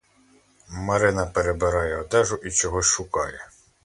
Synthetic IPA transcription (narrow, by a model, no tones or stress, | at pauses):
mɐɾɪnɐpeɾebeɾɑjɛɔd̪ɛʒʊʔit͡ʃɔɦɔsʲʃʊkɑjɛ